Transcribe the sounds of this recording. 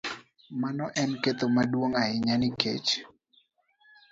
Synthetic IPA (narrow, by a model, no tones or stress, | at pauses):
manɔʔɛnket̪omadwoŋaɪɲanɪkḛt͡ʃ